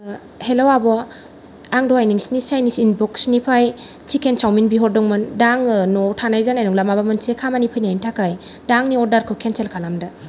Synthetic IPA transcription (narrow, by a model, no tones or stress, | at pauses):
helowabɔ | aŋdɔajniŋsnisajnisinbɔksnipʰaj | t͡ʃikʰent͡ʃawminbiɦɔɾdɔŋmɯndaŋnɔtʰanajzanajnɔŋlamabamɯnsekʰamanipʰɯjnajintʰakaj | daŋniɔɾdaɾkʰɯwkʰenselkʰanamda